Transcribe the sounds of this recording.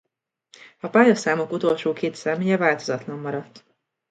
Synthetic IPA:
ɒpaːjɒsaːmokut̪o̞lʃoːkʰeːt̪sɛmeːjɛvaːlt̪o̞zɒt̪lɒmːɒɾɒt̪ː

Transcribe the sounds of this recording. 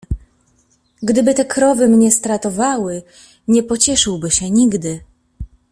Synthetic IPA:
ɡd̪ɘbɘt̪ɛkɾɔvɘmɲɛst̪ɾat̪ɔvawɘ | ɲɛpɔt͡ɕɛʂɘwbɘɕɛɲiɡd̪ɘ

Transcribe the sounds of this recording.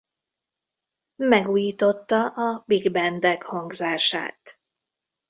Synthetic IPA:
mɛɡuːjiːt̪o̞t̪ːɒʔɒbiɡbɛnd̪ɛkhɒŋɡzaːʃa̰ːt̪

